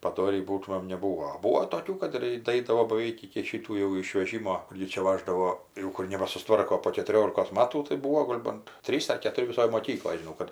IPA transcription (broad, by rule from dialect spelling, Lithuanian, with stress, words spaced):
pɐˈdoːrʲiː ˈbuːtʊmʲeːm nʲɛˈbuːoː ˈbuːoː toːˈkʲuː ˈkɐt ɪr dɐˈɐɪdɐʋoː bɐˈʋʲɛɪk ɪkʲɪ ˈʃʲiːtuː jɛʊ ɪʃʲʋʲɛˈʒʲɪmoː ˈɡʲɪ t͡ʃʲɛ ˈʋɑːʒdɐʋoː ˈjɛʊ ˈkʊr nʲɛbɐsʊsˈtʋɐrkoː poː kʲɛtʊˈrʲoːlʲɪkoːs ˈmɑːtuː tɐɪ ˈbuːʋoː ˈɡoːlʲ bɐnt ˈtʲrʲiːs ɐr kʲɛtʊˈrʲɪ ʋʲɪˈsoːj moːˈkʲiːklˠoːj ʒʲɪˈnɐʊ kɐt